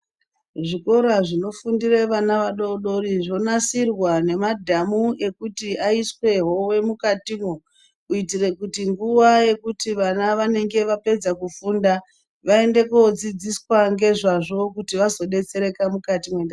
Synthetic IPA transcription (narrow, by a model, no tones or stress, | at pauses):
ʐiko̞ɾaʐino̞fundireʋanaʋaɗo̞ɗo̞riʐo̞nasirwane̞madʱamuʔe̞kutiaiswe̞ɦo̞we̞mukatimwo | uitire̞kutiŋɡuʋaje̞kutiʋanaʋane̞ŋɡe̞ʋape̞d͡zakufuːnda | ʋae̞nde̞kod͡zid͡ziswaŋɡe̞ʐaʐo̞kutiʋazo̞ɗe̞t͡se̞ɾe̞kamukatimwenda